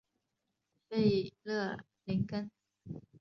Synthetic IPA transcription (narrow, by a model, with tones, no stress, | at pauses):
fe˥˧ɪlɤ˥˩ | li˧˥nkə˥n